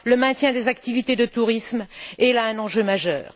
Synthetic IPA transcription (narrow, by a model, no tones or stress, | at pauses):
ləmɛ̃t̪jɛ̃d̪ezakt̪ivit̪ed̪ət̪uʁismɛlaɛ̃nɑ̃ʒømaʒœ̰ːʁ